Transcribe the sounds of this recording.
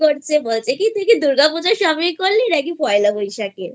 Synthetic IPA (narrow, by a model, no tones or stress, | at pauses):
koɾt͡ɕʰebolt͡ɕʰekit̪uikid̪uɾɡapud͡ʑaʃɔmikoɾːiɾaɡipɔjlabojʃake